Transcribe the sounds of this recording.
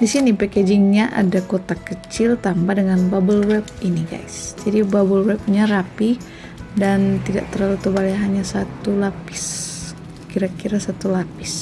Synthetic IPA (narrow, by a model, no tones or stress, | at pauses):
disinipeked͡ʒɪŋɲaʔa̰dakot̪akət͡ʃɪlt̪ambahdəŋanbabəlwɛb̚iniɡa̰jsd͡ʒadibabəlwɛp̚ɲarapi | dant̪ida̰ʔt̪əɾalət̪ubaljaɦaɲasat̪ulapɪs | kiɾakiɾasat̪ulapɪs